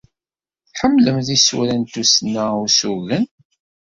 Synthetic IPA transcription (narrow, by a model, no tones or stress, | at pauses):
ħəmːləmðisṵɾænt̪usnːæusuɣən